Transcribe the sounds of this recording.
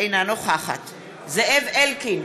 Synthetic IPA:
jnanɔxaxa̰tʰ | zɛɛvɛlkin

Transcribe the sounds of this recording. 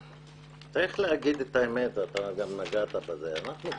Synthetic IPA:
t͡saʁiχleaɡid̪et̪aemet̪at̪aɡamnaɡat̪abazeanaχnu

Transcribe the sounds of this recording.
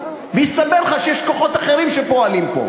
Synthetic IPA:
veist̪abelχaʃejeʃko̞χo̞t̪aχeʁimʃepo̞alimpo̰

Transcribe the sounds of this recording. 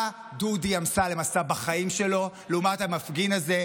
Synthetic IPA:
dudiamsale̞masabaχaimʃe̞lo̞lumatamafɡinaze̞

